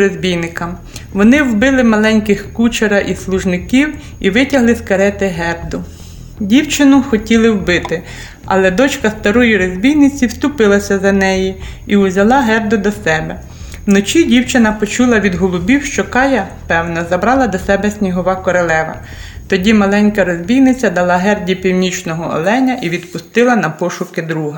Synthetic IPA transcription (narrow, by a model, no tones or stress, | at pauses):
ɾɔzʲbʲijnɪkɐm | ʋɔnɪwbɪlˠɪmɐlˠɛnʲkɪxkut͡ʃeɾɐʔislˠʊʒnɪkʲiw | iʋɪtʲɐɦlˠɪskɐɾɛt̪ɪɦɛbd̪ʊ | dʲiwt͡ʃɪnʊxɔtʲilˠɪwbɪt̪ɪ | ɐ̰lˠɛd̪ɔt͡ʃkɐst̪ɐɾɔjiɾɔzʲbʲijnɪt͡sʲiwst̪ʊpɪlˠɐsʲɐzɐnɛji | iʊzʲɐlˠɑɦɛrd̪ʊd̪ɔsɛbɛ | wnɔt͡ʃʲidʲiwt͡ʃɪnɐpɔt͡ʃulˠɐʋʲid̪ɦɔlˠʊbʲiwʃt͡ʃɔkɑjɐ | pɛwnɐzɐbɾɑlˠɐd̪ɔsɛbɛsʲnʲiɦɔʋɑkɔɾɔlˠɛʋɐ̰ | t̪ɔdʲimɐlˠɛnʲkɐɾɔzʲbʲijnɪt͡sʲɐd̪ɐlˠɑɦɛrdʲipʲiwnʲit͡ʃnɔɦɔɔ̰lˠɛnʲɐʔiʋʲid̪pʊst̪ɪlˠɐnɐpɔʃʊkɪd̪ɾuɦɐ